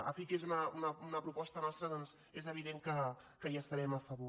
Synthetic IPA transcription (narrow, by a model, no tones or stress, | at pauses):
ə̰fikezunəunəunəpɾupɔst̪ənɔst̪ɾəðɔnz | ezəβ̞iðeŋkə | kəʒast̪əɾɛməfəβo